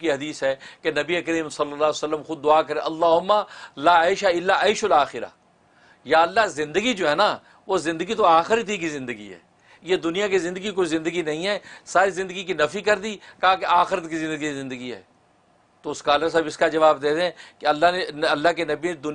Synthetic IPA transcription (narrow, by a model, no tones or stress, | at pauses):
kiɦɐd̪iːsɦɛːkenɐbiekəɾiːmsɐlːəlːaːsɐlːəmxʊd̪̚ːʊaːkəɾẽʔɐlːaːɦʊmːaːlaːaɪʃaɪlːaaːɪʃlaːxɪɾa̰ː | jaːɐlːazɪ̃nd̪əɡid͡ʒoːɦɛːna | ʋozɪ̃nd̪əɡit̪̬oaːxɪɾət̪ikizɪ̃nd̪əɡḭɦɛ̰ː | jed̪ʊnijãkizɪ̃nd̪əɡik̬oizɪ̃nd̪əɡinɐɦĩɦɛːsaːɾizɪ̃nd̪əɡik̬inɐfikɐɾd̪ikaakeaːxɪɾət̪kizɪ̃nd̪əɡiizɪ̃nd̪əɡiɦɛ̰ː | t̪oʊskaːləɾs̬aːbɪskad͡ʒɐʋaːbd̪eːd̪eɦɛ̃ːkeɐlːaneɐlːaɦk̬enɐbined̪ʊ